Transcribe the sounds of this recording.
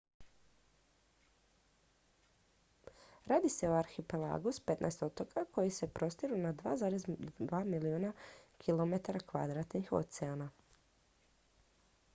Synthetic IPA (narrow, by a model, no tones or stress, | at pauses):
ɾaːd̪ise̞oaɾxipela̰ɡuspe̞t̪nʔa̰est̪o̞t̪o̞kakʰo̞jise̞pɾo̞st̪iɾunad̪ʋa̰ːzaːɾezd̪ʋaːmiliuːnakʰilˠo̞me̞t̪aɾakʋa̰d̪ɾat̪nixo̞̰t̪seana